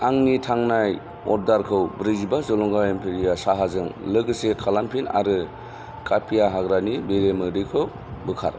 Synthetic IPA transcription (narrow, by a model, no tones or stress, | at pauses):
aŋnitʰaŋnaj | ɔɾ̚daɾkʰɯwbɾɯɡibazɔlɔŋɡaempʰeɾijasaɦazɯŋlɯɡɯsekʰalampʰina̰ɾɯ | kʰʼapʰijaɦaɡɾanibeɾemɯdɯjkʰɯw | bɯkʰa̰ɾ